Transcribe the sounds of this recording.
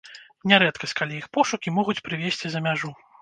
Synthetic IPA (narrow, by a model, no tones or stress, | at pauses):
nʲɛɾɛt̪kɐsʲt͡sʲkalʲijixpɔʂukʲimɔɣut͡sʲpɾɨvʲesʲt͡sʲizɐmʲaʐu